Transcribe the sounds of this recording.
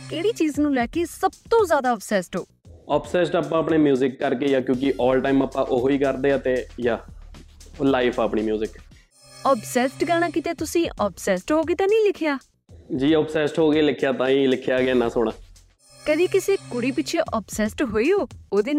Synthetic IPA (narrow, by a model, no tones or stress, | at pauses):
keːɽiːt͡ʃiːznũːlɛːkeːsəb̚t̪õːzjaːd̪aːɔːpsɛːsʈɦoː | ɔːpsɛːsʈaːpːãːpɳeːmjuːzɪkːəɾkeːjaːkjõːk̬ɪʔɔːlʈaːiːməpːãːʔoːɦoːiːkəɾd̪eːat̪eːjaː | laːipʰaːpɳiːmjuːzɪk | ɔːpsɛːsʈɡɛːñaːkɪt̪eːt̪ʊsĩːʔɔːpsɛːsʈɦoːɡeːt̪ãːnĩːlɪkʰɪjaː | d͡ʒiːɔːpsɛːsʈɦoːɡeːlɪkʰːjaːt̪ãːĩːlɪkʰːjaːɡaːnãːsoːɽ̃aː | kəd̪iːkɪseːkʊɽiːpɪt͡ʃʰeːʔɔːpsɛːsʈɦoːiːɦoːoːd̪iːn